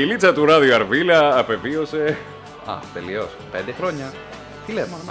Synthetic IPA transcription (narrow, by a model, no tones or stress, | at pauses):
ilit͡sɐt̪uɾɐðioɐɾvilɐːpe̞viose̞ | ɐ̰t̪eliospe̞nd̪exɾo̞ɲɐ | t̪ilemon